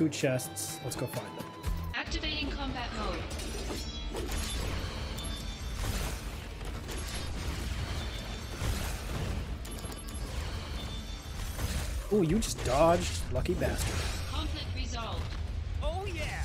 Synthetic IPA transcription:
fʉt͡ʃʰɛsts | lətsɡ̥ofãɪ̃nlə̃ | ʔæk̚tɨveɪɾɪ̃ŋkʰɑ̃mbæʔ̚mõʊd | ojɨd͡ʒʌsd̥ɑɹd͡ʒdlʌkibæstə̰˞kʰɑ̃ɱflɪk̚t̚ɹɪzɑlˠvd̥oʊjæ

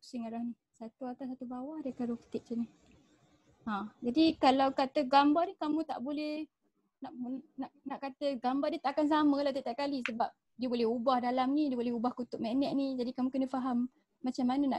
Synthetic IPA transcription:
siŋaɾahni | sat̪uat̪asat̪ubawahdəkaɾokt̪ɪʔ̚t͡ʃəni | ãd͡ʒadikalawkat̪əɡambarnihkamũt̪a̰ʔbolɛh | naʔnaʔnaʔkat̪əɡambadiət̪aʔkans̬amə̃laht̪ət̪aʔkalisəbap̚ | diəbolɛhubahdalamnĩdiəbolɛɦubahkut̪ʊʔmenɛʔnid͡ʒadikamũkənəfaɦamː | at͡ʃamːanəna̰

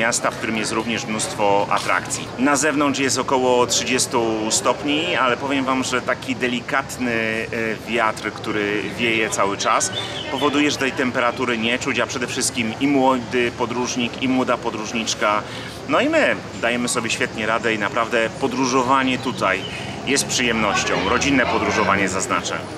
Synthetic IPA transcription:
ast̪afk̚t̪uɾɘmjɛst̪ɾuvɲɛʂmnust̪fɔa̰t̪ɾa̰kt̪sʲjḭnazɛvnɔnt͡ʂjɛst̪ɔkɔwɔtʂɘd͡ʑɛst̪ust̪ɔpɲialɛpɔvʲjɛmvamʐɛt̪akʲid̪ɛlʲikat̪nɘvʲjat̪ɾkt̪uɾɘvʲjejɛt̪sawɘt͡ʂaspɔvɔd̪ujɛʐɛt̪ɛjt̪ɛmpɛɾat̪uɾɘɲɛt͡ʂut͡ɕapʂɛd̪ɛfʂɘst̪̚kʲimimwɔd̪ɘpɔd̪ɾuʐɲikimwɔd̪apɔd̪ɾuʐɲit͡ʂka | nɔimɘ | d̪ajɛmɘsɔbʲjɛɕfʲjɛt̪ɲɛɾad̪ɛinapɾavd̪ɛpɔd̪ɾuʐɔvaɲɛt̪ut̪aj | jɛst̪̚pʂɘjɛmnɔɕt͡ɕɔ̰̃w̃ɾɔd͡ʑinːɛpɔd̪ɾuʐɔvaɲɛzazna̰t͡ʂɛ̰

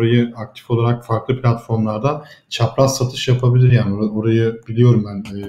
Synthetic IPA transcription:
oɾajɯak̚t̪ʰi̥fo̞lˠaɾakfaɾklˠɯpʰlʲat̪fo̞ɾmlˠaɾd̪at͡ʃʰapɾasat̪ʰɯʃjapʰabilʲiɾjaːnio̞ɾajɯb̥ilʲijo̞ɾumbænɛː

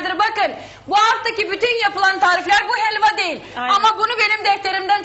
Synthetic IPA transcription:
d̪ɯɾbakɯn | buaft̪ʰacibyt̪ynjapɯlˠant̪ʰaːɾiflʲæɾbuɦɛlʲvad̪e̞jilʲamabunube̞nimd̪ɛft̪ʰe̞ɾimd̪ænt͡ʃ

